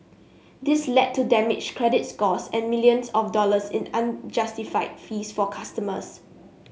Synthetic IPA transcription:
dɪslɛd̚tʰːudɛmɪd͡ʒkʰɹɛdɪtskɔsɛ̃nmiljə̃nsɔfdɔləsɪ̰̃nãnd͡ʒastifaɪdfisfɔkʰastəmə̰s

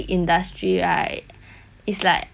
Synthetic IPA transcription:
ʔĩndastʰɹiɹaɪt̚ | islaɪk

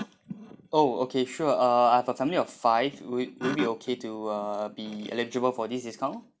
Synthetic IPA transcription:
oo̰kʰeʃuəʌahɛvəfɛ̃miliɔffaɪvwilbiokʰetuʌbiɛ̰lɛd͡ʒəbəlfɔdisdiskãʊ̃n

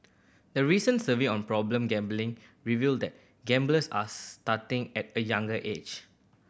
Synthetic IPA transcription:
dəɹisə̃nsəviɔ̃npɹɔblə̃mɡɛ̃mblɪ̃ŋɹivildɛt̚ | ɡɛ̃mbləsa̰statɪ̃ŋɛt̚əjãŋɡəʔed͡ʒ

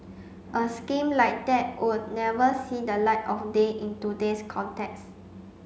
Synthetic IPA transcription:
ʔəskĩmlaɪk̚dɛt̚wʔud̚nɛvəsidəlaɪtɔfdeʔĩntudeskʰɔ̃ntɛks

